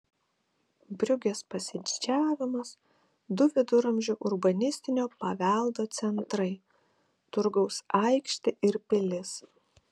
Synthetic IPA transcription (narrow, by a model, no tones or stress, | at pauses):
bʲɾʲʊɡʲespɐsʲɪd̪ʲɪd͡ʒʲæːʋʲɪmɐs | d̪ʊʋʲɪd̪ʊɾɐmʲʒʲʊʔʊɾbɐnʲɪsʲt̪ʲɪnʲoːpɐʋʲælˠd̪oːt̪sʲɛnt̪ɾɐɪ | t̪ʊɾɡɒʊsɐɪkʃʲt̪ʲɪʔɪɾpʲɪlʲɪs